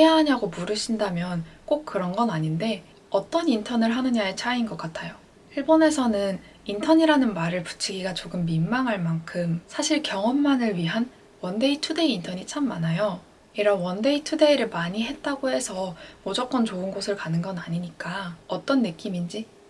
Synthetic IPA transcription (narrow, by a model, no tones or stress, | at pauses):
heaɦaɲaɡomuɾɯɕʰindamjʌnk͈ok̚k͈ɯɾʌnɡʌnaɲinde̞ | ʌt͈ʌnintʰʌnɯɭɦanɯɲaet͡ɕʰainɡʌk͈atʰajo | iɭbone̞sʰʌnɯn | intʰʌɲiɾanɯnmaɾɯɭpu̥t͡ɕʰiɡiɡat͡ɕoɡɯmːimːaŋɦaɭmaŋkʰɯmsʰaɕʰiɭkjʌŋʌmːanɯɭɥiɦan | wʌnde̞itʰude̞iːntʰʌɲit͡ɕʰamːanajo | iɾʌnwʌnde̞itʰude̞iɾɯɭmaɲiɦe̞t̚t͈aɡoɦe̞sʰʌmod͡ʑʌk͈ʌnt͡ɕoɯnɡosʰɯɭkanɯnɡʌnaɲiɲik͈aʌt͈ʌnːɯk͈imind͡ʑi